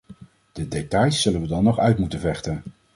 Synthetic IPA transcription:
d̥ədetɑjsːɵlənʋədɑnːɔχœɥtmutənvɛχtən

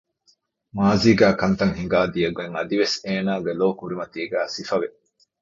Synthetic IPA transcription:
maːziːɡæːkɐnt̪ɐŋɦiŋɡaːd̪ijɐɡeŋɐd̪iʋeseːnaːɡeloːkuɾimɐt̪iːɡæːsifɐʋe

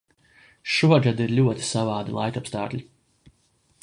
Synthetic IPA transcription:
ʃuɔɡad̪iɾlʲuɔt̪i̥savaːd̪ilˠa̰jt̪apst̪aːklʲi

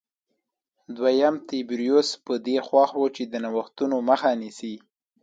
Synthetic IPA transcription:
d̪wajamt̪ebɾjospəd̪exwɑxwət͡ʃed̪ənawəxt̪unoməxanisi

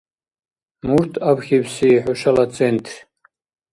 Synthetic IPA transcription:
murtʰabxʲibsiħʷʊʃalat͡sʼentʰ

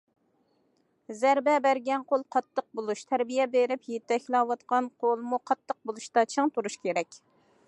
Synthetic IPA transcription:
zæɾbɛbæɾɡʲɛnqolˠqʰɑt̪ʰːəq̚bolˠuʃt̪ʰæɾbijɛbeɾɪpjet̪ːɛkʲʰilˠɑwɑt̪qɑnqʰolˠmuqʰɑt̪ːəq̚bolˠuʃt̪ɑt͡ʃʰɨŋt̪ʰuɾuʃkʲʰeɾɛkʲ

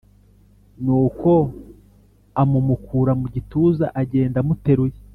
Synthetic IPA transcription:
nuːko̞ | amumukʰuːɾamuɟituːzaʔaɟe̞ːndamute̞ɾuje

